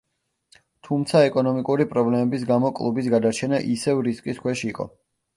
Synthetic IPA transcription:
t̪ʰumt̪sʰaɛkʼɔnɔmikʼuɾipʼɾɔblɛmɛbisɡamɔkʼlˠubisɡad̪aɾt͡ʃʰɛnaʔisɛvɾiskʼiskʰwɛʃiiqʼɔ̰

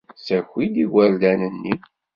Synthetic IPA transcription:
sæxid̪iwæld̪ænənːi

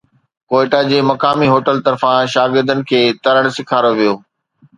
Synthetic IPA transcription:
koːɪʈad͡ʑeːmɐkaːmiɦoːʈəlt̪ɐɾfãʃaːɡɪɾd̪ənɪ̆kʰeːt̪ɐɾəɽ̃sɪkʰaːɾoʋijoː

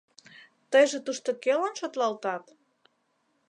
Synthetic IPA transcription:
t̪əjʒĕt̪uʃt̪okelənʃot̪lɑlt̪ɑt̪

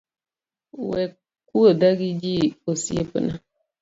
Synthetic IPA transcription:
wɛ | kuodaɡid͡ʒiosiepɨ̰na

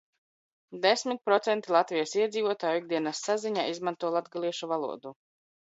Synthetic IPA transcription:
d̪esmit̪̚pɾɔt̪sɛnt̪ilˠat̪vijasiɛd̪ziːvuɔt̪aːjuiɡ̚d̪iɛnasːaziɲa̰ːizmant̪uɔlˠad̪ɡalˠiɛʃuvalˠṵɔd̪u

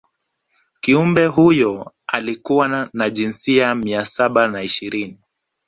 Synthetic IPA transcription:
kiumbɛɦujɔ | a̰likuwanaʄinsiamiasaɓanaiʃiɾini

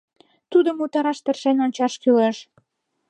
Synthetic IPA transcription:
t̪ud̪əmut̪ɑɾɑʃt̪ə̆rʃenonʲt͡ɕɑʃkyleʃ

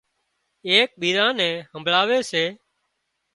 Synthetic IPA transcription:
eːk̚ɓiːɾãːnɛ̃ːɦəmʱlaːʋeːseː

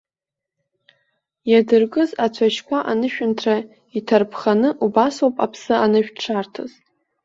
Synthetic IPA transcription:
jadɨrkʼɨzat͡ɕʷʰaʃkʷaʔanɨʃᶣʊntʰra | itʰarpʰχanɨʔubaswapʼapʰsɨanɨʃᶣʈ͡ʂʰartʰaz

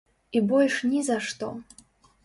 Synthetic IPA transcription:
ibɔlʲʂnʲizaʂt̪ɔ

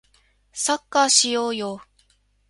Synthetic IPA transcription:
sakːaɕijo̞ːjo

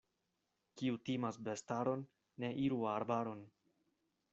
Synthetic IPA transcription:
kiutimasbe̞staɾo̞nː | e̞ʔiɾuaɾbaɾo̞n

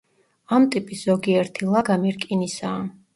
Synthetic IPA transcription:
amt̪ʼipʼisz̥ɔɡiɛɾt̪ʰilˠaɡamɛɾkʼinisaː

